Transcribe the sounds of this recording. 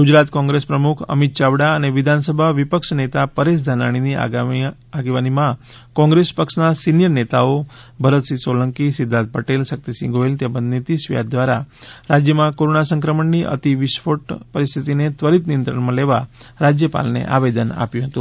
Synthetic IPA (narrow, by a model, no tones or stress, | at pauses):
ɡud͡ʒɾat̪kɔ̃ŋɡɾespɾəmukʰə̰mit̪̚t͡ʃaʋɽaəneʋid̪ʱansəbʱaʋipəkʂnet̪apəɾes̬d̪ʱana̰ɽ̃inḭ | aɡeʋanimã | kɔ̃ŋɡɾespəkʂnasinjəɾnet̪aobʱəɾət̪sisoləŋkisid̪ʱːad̪̚pəʈelsək̚t̪isḭ̃ɡoelt̪ebənd̪nit̪isʋija̰d̪̚d̪ʋaɾaɾad͡ʒjəmãkoɾonasə̃ŋkɾəməɳniʔə̰t̪iʋiʃʋoʈpəɾist̪ʰit̪inet̪ʋəɾit̪nijənt̪ɾə̰ɳmãleʋaɾad͡ʒjəpa̰lnḛʔa̰ʋed̪əna̰pjũɦət̪ũ